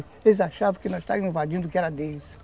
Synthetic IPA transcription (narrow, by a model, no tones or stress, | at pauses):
elɪzaʃavɐ̃kɪnɔzʃt̪a̰vɐ̃m̃ĩvad͡ʒĩnd̪ʊkɪɛɾɐd̪es